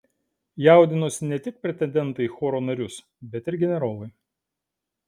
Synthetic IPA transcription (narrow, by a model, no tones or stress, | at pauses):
jæˑʊd̪ʲɪnoːsʲɪnʲɛt̪ʲɪk̚pʲɾʲɛt̪ʲɛnʲd̪ʲɛnt̪ɐɪxoːɾoːnɐɾʲʊs | bʲɛt̪ʲɪɾɡʲɛnʲɛɾoːlˠɐɪ